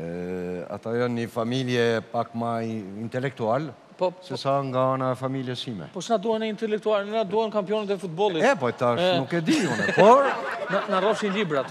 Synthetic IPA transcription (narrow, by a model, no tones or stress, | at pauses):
a̰t̪ajɔnɲifamiljɛpakmaint̪ɛlɛk̚t̪ual | pɔsɛsaŋɡaanaɛfamiljɛsimɛ̰pɔt͡ʃnad̪uhɛnɛint̪ɛlɛk̚t̪ualnad̪uhɛnkampijɔnɛt̪ɛfut̪̚bɔlˠit̪ɛpɔjt̪aʃnukɛd̪iunɛpɔɾnanarɔʃinlibɾat̪